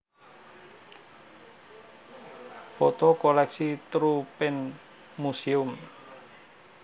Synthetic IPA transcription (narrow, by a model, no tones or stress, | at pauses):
fɔt̪ɔkolɛksit̪ɾupɪn | museum